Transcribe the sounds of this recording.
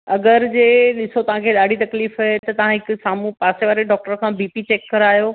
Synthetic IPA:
ɐɡəɾd͡ʑeːɗɪsot̪ɐʋ̤ãkʰeɗaːɖ̤ʱit̪ɐkliːfɐɦet̪ɐt̪ɐʋ̤ãɦɪksaːmũpaːseʋaːɾeɖɔːk̚ʈəɾkʰãbiːpit͡ɕeːkːɐɾaːjoː

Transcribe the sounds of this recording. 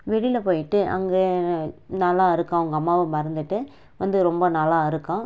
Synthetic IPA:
ʋɛɽɪlɐpoːjɪʈːɯʔɐ̰ŋɡeːnɐlaːɪɾɯkːãːɐʋɐŋɡɐːmːaːʋɐmɐɾɐnd̪ɯʈːɯ | ʋɐnd̪ɯɾɔmbɐnɐlaːɪɾɯkːãː

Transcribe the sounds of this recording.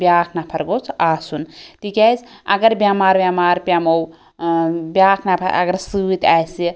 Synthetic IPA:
bʲjaːkʰnapʰɐɾɡot͡sʰaːsunt̪ʰikʲajzɐɡəɾbʲjaːmaːɾbʲjaːmaːɾpʲjaːmow | bjaːkʰnapʰɐɐ̰ɡəɾsɨt̪aːjsi

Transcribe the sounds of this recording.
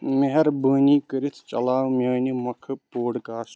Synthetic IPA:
meɦɐɾbəːnikəɾit̪ʰt͡ʃɐ̰laːwmʲjaːnimɐkʰɨpoːɽkaːs

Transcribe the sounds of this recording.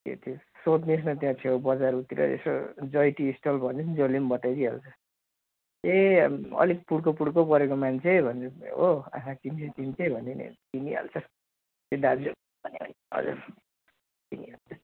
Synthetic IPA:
k̪ḛt̪ʰo | sot̪nis̬nʌt̪jãt͡s̪ʰeobʌd͡zaɾut̪iɾʌ̰ḛsod͡zʌjʈiːsʈʌlbʱʌnend͡zʌlimbʌt̪ajd̪iɦalt͡sʰʌ | eʌ̰lik̚puɽkopuɽkopʌɾekomant͡sʰebʱʌneoã̰kʰãkint͡sʰet̪int͡sʰebʱʌninḛt̪iniɦa̰lt͡sʰʌ | t̪jedad͡zo | bʱʌneʌ̰n | ʌ̰d͡zṵr | t̪iniɦalt͡sʰʌ

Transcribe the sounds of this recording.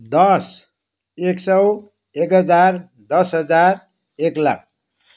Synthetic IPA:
d̪ʌs | eksʌw | ekɦʌd͡zar | d̪ʌsɦʌd͡zaɾ | ekla̰k̚ʰ

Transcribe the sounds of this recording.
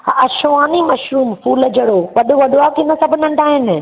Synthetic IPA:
ɐʃʊʋaːnimɐʃɾuːmfuːlɐd͡ʑəɽoʋɐɗoʋɐɗoaːkɪnɐsɐbʱʊnɐ̃ɳɖʱaːɦɪnɪ̆

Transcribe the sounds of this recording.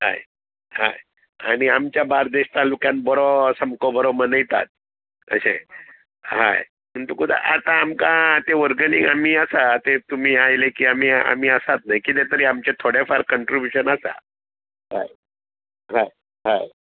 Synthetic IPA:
ɦa̰j | ha̰j | a̰ñiamt͡ɕjabaɾd̪eɕt̪alukjãnbɔɾɔsəmkɔbɔɾɔmənəjt̪a̰t̪̚ | ə̰ɕḛ̃ | ɦa̰j | məɳt̪ukud̪a̰ʔat̪ãːmkat̪eʋəɾɡəniŋam̤iːəsat̪et̪um̤iːajlekiːam̤iːa̰m̤iːəsat̪najkit̪̬et̪əɾiamt͡ɕet̪ʰoɽefaɾkəɳʈɾibjuɕənasa̰ | ɦa̰j | ɦaj | ɦaj

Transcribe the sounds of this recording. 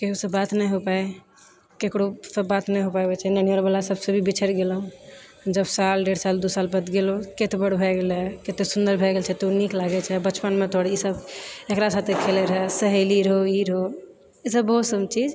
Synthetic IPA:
keɦusəbːat̪nɛjɦopae | kekɽosəbːat̪nɛɦopajbɛt͡ʃʰɛnəniəɾbəlasəbsə̃bʱibit͡ʃʰəɾɡelɦũd͡ʒəbsalɖeɽsald̪usalpət̪ɡeloket̪ebəɽbʱɛɡelɛket̪esund̪əɾbʱɛɡelt͡ʃʰɛt̪uniklaɡɛt͡ʃʰɛbət͡ʃpənmet̪oɽisəbekɾasat̪ʰekʰelɛɾəɦɛsəɦeliɾəɦoiɾəɦo | isəbːəɦut̪səbt͡ʃid͡ʒ

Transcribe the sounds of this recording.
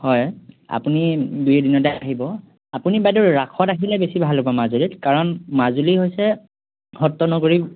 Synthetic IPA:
hɔja̰punidujɛdinɔtajaɦibɔ | apunibajdɔɹɹakʰɔtaɦilɛbesibʱalːobɔmazulitkaɹɔnmazuliɦojsɛ | hɔtːɔnɔkoɹi

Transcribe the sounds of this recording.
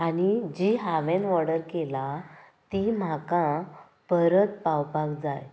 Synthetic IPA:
aɽid͡ʑiɦaʋenʋɔɽəɾkela | t̪im̤aka | pəɾət̪̚pawpaɡd͡zaj

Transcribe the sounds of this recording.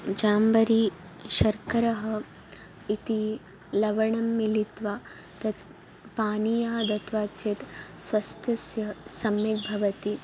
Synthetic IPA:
d͡ʒaːmbɐɾi | ʃɐɾkɐɾɐɦɐ̆ | it̪i | lɐʋɐɳɐmːilit̪ʋa | t̪ɐt̪ | paːnijɐɦɐd̪ɐt̪ʋaːt͡ʃet̪sʋɐst̪ʰjɐsjɐsɐmjek̚bʱɐʋɐt̪i

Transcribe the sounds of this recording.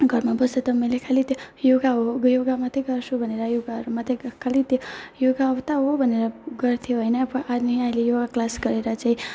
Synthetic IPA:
ɡʱəɾmãbəset̪əmẽlekʰalit̪ejoɡaoɡjoɡamãt̪ʰeɡʱəɾʃũbəneɾajoɡaɾmãt̪ʰekʰalit̪ejoɡaːʋt̪aɦobəneɾaɡʱəɾt̪ʰiɦojnepəʔanəĩaelijoɡaklaskəɾeɾat͡ʃʰe

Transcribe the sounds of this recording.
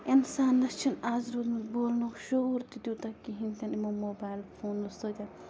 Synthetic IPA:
insaːnːɐst͡ʃʰinaːzɾuːd̪miboːlnukʃoɾt̪id̪uːt̪akiɦint̪ʲɐnimomoːbaːjlfʰoːnːust̪oːt̪ʲɐn

